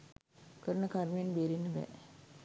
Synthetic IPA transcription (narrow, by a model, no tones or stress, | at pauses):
kəɾənəkaɾmijenbeːɾinːəʋɛ̰